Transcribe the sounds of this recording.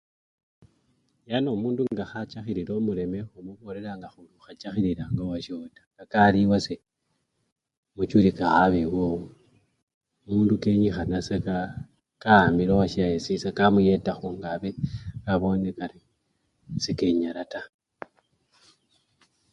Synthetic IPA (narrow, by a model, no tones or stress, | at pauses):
jano̞muːnduŋɡaxat͡ʃaxiɾiɾo̞mule̞mexumuβo̞le̞ɾaŋɡaxuluxat͡ʃaxiɾiɾaŋɡowaʃo̞tḁŋɡakaliwase | mut͡ʃulikaxaβewou | muːndukeɲixanaseka | kamilowaʃiajesisakamuje̞taxuŋɡaβekaβo̞nekali | sikeɲaɾata